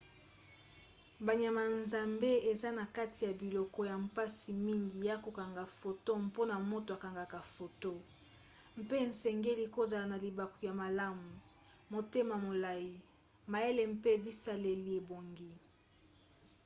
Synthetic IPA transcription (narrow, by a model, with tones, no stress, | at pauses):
ba˨ɲa˨ma˨nza˨mbe˦e˨za˦na˨ka˦tʰi˨ja˨bi˨lɔ˨kɔ˦ja˨m˨pa˦si˨mi˦ŋɡi˨ja˦ko˨ka˨ŋɡa˨fo˨to˦m˦po˦na˨mo˦to˨a˨ka˨ŋɡa˨ka˨fo˨to˦ | m̩˦pe˦˨n˨sɛ˨ŋɡe˦li˦ko˦za˨la˨na˨li˨ba˨ko˨ja˨ma˨la˦mu˨ | mo˨te˦ma˨mo˨la˨ji˨ | ma˨je˦le˨m̩˦pe˦bi˦sa˦le˨li˨e˨bo˨ŋɡi˦